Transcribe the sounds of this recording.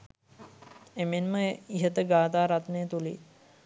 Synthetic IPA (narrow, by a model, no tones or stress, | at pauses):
emenməiɦət̪əɡaːt̪aːɾat̪nejət̪uli